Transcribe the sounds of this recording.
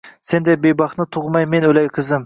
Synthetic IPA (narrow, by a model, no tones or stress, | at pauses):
send̪ɛbejbɑχnɨt̪ʰʊʁmɑjmenølɛjkʲʰɪzɪm